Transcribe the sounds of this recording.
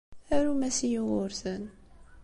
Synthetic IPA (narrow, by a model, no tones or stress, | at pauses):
æɾumæsijuʁʊɾθən